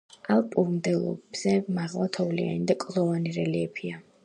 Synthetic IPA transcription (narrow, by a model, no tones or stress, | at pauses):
alˠpʼuɾmd̪ɛlˠɔ̰b̥z̥ɛmaʁlˠat̪ʰɔvlia̰nid̪akʼlˠɔvaniɾɛliɛpʰia